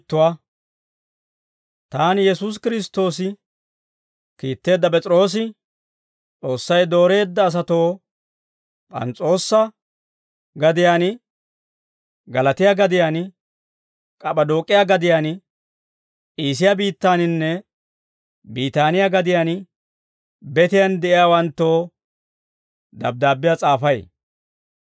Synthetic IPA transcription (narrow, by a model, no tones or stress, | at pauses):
t̪ːʊwaː | t̪aːnjɛsuːs̬kɪɾɪst̪ːo̞ːsɪ | kiːt̪ːe̞ːd̪ːɐp̬ʼɛt͡sʼɪɾo̞ːs̬ɪ | t͡sʼo̞ːsːɐjd̪o̞ːɾe̞ːd̪ːɐːs̬ɐt̪o̞ː | pʼɐ̰nt͡sʼo̞ːsːɐ | ɡɐd̪ɪjaːn | ɡɐlɐt̪ɪjaɡɐd̪ɪjaːn | kʼɐɓʼɐd̪o̞ːkʼːɪjaɡɐd̪ɪjaːn | iːs̬ɪjabiːt̪ːaːnɪnːɛ | biːt̪aːnɪjaɡɐd̪ɪjaːn | bɛt̪ɪjand̪ɛʔɪjaːwɐnt̪ːo̞ː | d̪ɐ̰b̚d̪aːbːɪjat͡sʼaːfɐj